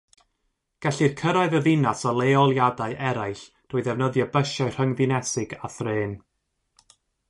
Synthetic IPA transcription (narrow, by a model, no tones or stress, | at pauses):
ɡ̥ɛɬirkʰəɾaɨðəvɪnasɔlˠeːɔlˠjadaɨʔɛɾajɬ | d̥uɨðɛvnəðjabəʃaɨr̥həŋðɨnɛsɪɡaθreːn